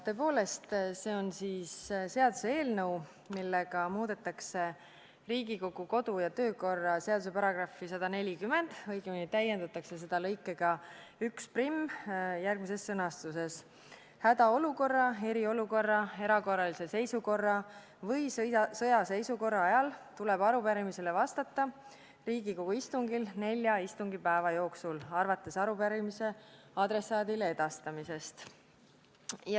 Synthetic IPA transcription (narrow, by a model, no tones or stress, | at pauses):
t̪ø̞ːpo̞ːle̞st̪se̞ːo̞nsiːsse̞ɑd̪use̞e̞ːlnɤw | milːe̞ɡ̥ɑmuːd̪̥e̞t̪ːˑɑkse̞ | riːɡiko̞ɡuko̞d̪ujɑt̪ø̞ːko̞rːɑse̞ɑd̪̥use̞pɑɾɑɡ̥rɑfːisɑd̪̥ɑne̞lʲikymːe̞nd̪̥ɤjɡeminit̪æjːend̪̥ɑt̪ːˑɑkse̞s̬e̞d̪̥ɑlɤ̞jkːˑe̞ɡ̥ɑ | yksprimːjærɡ̥mise̞sːɤnɑst̪use̞s | hæd̪̥ɑo̞luko̞rːɑe̞ɾio̞luko̞rːɑe̞ɾɑko̞rːɑlise̞se̞jsuko̞rːɑ | vɤjsɤjɑse̞jsuko̞rːɑɑjɑlt̪ulɛb̥ɑɾupæɾimise̞levɑst̪ɑt̪ˑːɑ | riːɡ̥iko̞ɡ̥uist̪uŋɡilne̞lʲjɑist̪uŋɡ̥ipæevɑjo̞ːksulɑrvɑt̪ːˑe̞sɑɾupæɾimise̞ | ɑd̪̥ɾe̞sɑːd̪ilee̞d̪̥ɑst̪ɑmise̞st̪ | jɑ